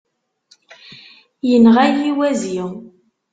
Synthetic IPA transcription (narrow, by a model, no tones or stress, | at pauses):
jənʁæjiwæziw